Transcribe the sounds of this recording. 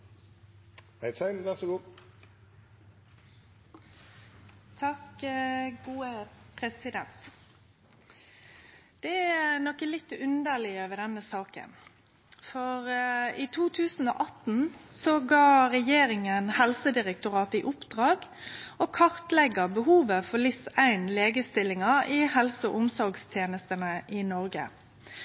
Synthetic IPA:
hæɪsæɪnʋæʁsɔɡuː | t̪ʰɑk | ɡuːəpʰʁɛsɪd̪ɛnt̪ | d̪̥ɛænɔkəlɪt̪ːʉnd̪əlɪəøːʋəɖ̪ɛnəsɑːkə̰n | fɔʁiːt̪ʰuːt̪ʰʉːsn̩o̰ːʔɑt̪n̩sɔɡɑːʁɛjeːɾɪŋənhɛlsəd̪ɪʁɛk̚t̪ʊʁɑːt̪ɪʔʊpd̪̥ʁɑːɡoːkʰɑʁt̪lɛɡəbəhuːʋəfɔlɪsæɪnleːɡəst̪ɪlːɪŋɑɪhɛlsəɔ̰ʔʊmsɔɾɡst̪ʰjeːnəst̪ənəʔɪnɔʁɡə̰

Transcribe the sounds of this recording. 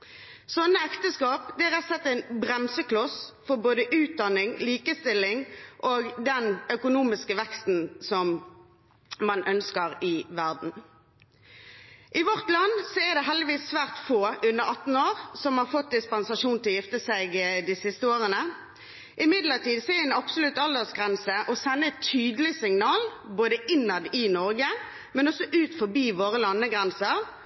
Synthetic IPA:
sɔnːəɛkt̪əskɑːpd̪ɛæʁɛt̪sɛt̪ːæɪnbʁɛmsəkʰlɔsfɔʁboːd̪əʔʉːt̪̚d̪ɑnːɪŋliːkəst̪ɪlːɪŋʔoːɡd̪ɛnœkʊnuːmɪskəʋɛkst̪n̩sɔm | mɑnʔœnskəʁɪʋæʁd̪n̩ | ʔɪʋɔʁt̪lɑnːsɔɛd̪ɛɦɛld̪ɪʋiːsːʋæːʁt̪foːʉnːəʁɑt̪ːn̩oːʁsɔmhɑʁfɔt̪̚d̪ɪspɑnsɑʃuːnt̪ʰɪlɔjɪft̪əsæɪɡd̪ɪsɪst̪əoːʁənə | ʔɪmɪd̪ləʁt̪iːd̪sɔɛɛnɑpsʊlʉt̪ɑld̪əʁsɡʁɛnsəʔɔsɛnːəɛt̪ʰːyːd̪əlɪsɪŋnɑːlboːd̪əʔɪnːɑd̪ɪnɔʁɡə | mɛnɔsɔʔʉːt̪fɔbiːʋoːʁəlɑnːəɡʁɛnsəʁ

